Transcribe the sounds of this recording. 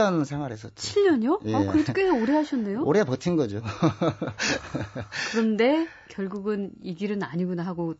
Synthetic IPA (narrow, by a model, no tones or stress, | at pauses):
ʌnsʰaŋɦwaɾesʰʌt͡ɕʰiʎːʌɲjojʌkɯɾek͈eoɾeɦaɕʰʌnːe̞jooɾeapʌtʰinɡʌd͡ʑo | kɯɾʌnde̞ | kjʌɭɡuɡɯniɡiɾɯnaɲiɡunaɦaɡo